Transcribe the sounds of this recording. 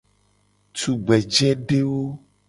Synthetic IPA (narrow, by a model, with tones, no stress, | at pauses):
tu˨ɡ͡bɛ˨d͡ʒɛ˦ɖe˦wo˦